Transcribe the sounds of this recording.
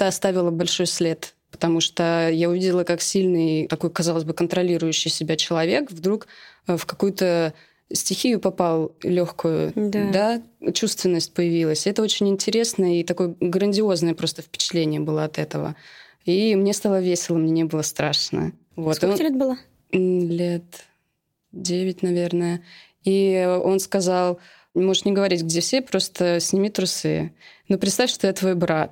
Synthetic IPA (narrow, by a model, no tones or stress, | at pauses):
t̪aɐst̪avʲɪlˠəbɐlʲʂo̞jsʲlʲe̞t̪ | pə̥t̪ɐmuʂt̪əjaʊvʲidʲɪlˠəkaksʲilʲnɨjt̪ɐko̞jkɐzɑlˠəzʲbɨkənt̪ɾɐlʲiɾʊjʉɕːɪjsʲɪbʲat͡ɕɪlˠɐvʲe̞kvd̪ɾukfkɐkujʊt̪ə | sʲtʲɪxʲijʊpɐpalˠlʲoxkʊjʊ̰d̪d̪at͡ɕust̪vʲɪnːəsʲt̚ʲpəjɪvʲilˠəsʲɪɛt̪əot͡ɕɪnʲɪnʲtʲɪɾʲe̞snəjəit̪ɐko̞jəɡɾənʲdʲɪo̞znəjəpɾo̞st̪əfpʲɪ̥t͡ɕɪ̥t̪lʲenʲɪjəbɨlˠəɐt̪ɛt̪əvə̰ | imnʲe̞st̪alˠəvʲesʲɪlˠəmnʲenʲebɨlˠəst̪ɾaʂnə̰ | vo̞t̪ɨlʲet̪̚bɨlˠa | lʲet̪ | dʲevʲɪt̚ʲnɐvʲe̞rnəjə | io̞nskɐzalˠ | mo̞ʐɨʂnʲɪɡəvɐɾʲitʲɡdʲefsʲepɾo̞st̪əsʲnʲɪmʲit̪ɾʊsɨ̰nopɾʲɪt̪st̪afʲʂt̪o̞jat̪vo̞jbɾat̪̚